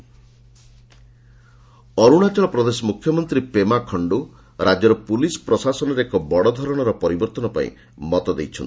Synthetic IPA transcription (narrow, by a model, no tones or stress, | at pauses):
ɔɾuɽ̃at͡ʃɔɭɔpɾɔd̪esɔmukʰːjɔmɔnt̪ɾipemakʰɔɳɖu | ɾad͡ʒɔɾɔpulisɔ̥pɾɔsasɔnɔɾeekɔbɔɽɔd̪ʱɔɾɔɽ̃ɔɾɔpɔɾibɔɾt̪ɔnɔpa̰ḭ̃ | mɔt̪ɔd̪ejt͡ʃʰɔnt̪i